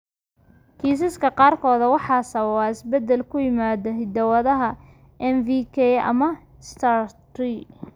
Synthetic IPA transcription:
kʰiːs̬ɪskʰɐqɑːrkʰɔːðɐwɑħɑːsɐβɐβaɪsbɛd̪ːɛlkʰʊjɪmaːðɐɦɪd̪ɐwɐðɐɦɐ | ʔɛnvikʰɛɐ̰mɐ | st̪ʰaɾt̪ri

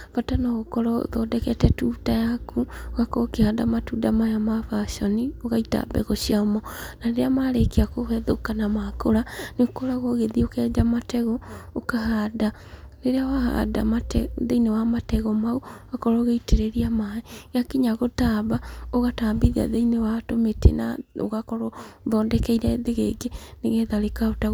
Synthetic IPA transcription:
fatanɔɣokɔɾɔðɔdɛkɛtɛtutajakʰuoɣakɔkehadamatudamajamafaʃɔnioɣaita̰βɛ̰ɣɔsiamɔnaɾeɾeamaɾekeakohɛðokanamakoɾaneokoɾaɣoɣeðiokɛd͡ʒamatɛɣɔokaɦada | ɾeɾeawaha̰da̰matɛðeinewamatɛɣɔmauakɔɾɔɣeiteɾeɾiamaɛɣakiɲaɣotaːβaoɣataːmbiðia̰ðeinewatometḛna̰o̰ɣakɔɾɔðɔːndɛkɛiɾɛðeɣeŋɡeneɣeðaɾekaota

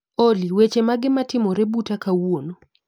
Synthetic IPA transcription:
oliwet͡ʃemaɡɪmatɪmɔɾɛbutakawono

